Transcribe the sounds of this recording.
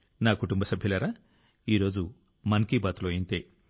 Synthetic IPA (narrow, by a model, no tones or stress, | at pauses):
nakuʈumbɐsɐbʱilɐɾɐ | iɾoːd͡ʒu | mɐnkibɐt̪lojint̪e